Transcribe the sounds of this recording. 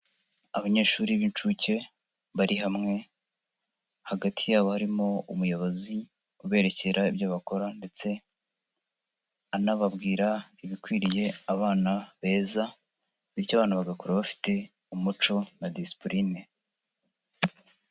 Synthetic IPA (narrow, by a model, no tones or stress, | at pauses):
aβaɲe̞ːʃuːɾiβint͡ʃuce̞ | βaɾʔiɦamŋe̞ | haɡatʰijaːβohaɾimo̞umujaβozi | uβe̞ːɾe̞ce̞ɾaibjoβako̞ɾande̞t͡se̞ | anaβabɡiːɾaiβikwiːɾije̞aβaːnaβe̞ːza | βiɾcaβaːnuβaɡakoɾaβafi̥te̞ | umut͡ʃo̞nadispɾine